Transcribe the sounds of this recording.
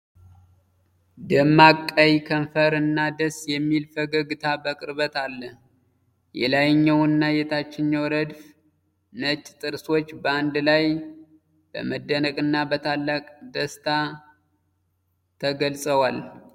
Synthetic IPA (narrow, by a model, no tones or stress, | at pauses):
d̪ɨmːakʼːəjkʰənfəɾɨnːad̪əsjɛmːilfəɡəɡɨt̪ʰabəkʼɨɾβət̪alːəh | jɛ̰lajɪɲːəwɨnːajɛt̪ʰat͡ʃːɪɲːəwɾəd̪f | nət͡ʃʼt̪ʼɨɾso̞t͡ʃːbəand̪laj | b̥ə̰məd̪ːənəkʼɨnːabət̪ʰalːakʼd̪əst̪ʰa | t̪ʰəɡəlsʼəwal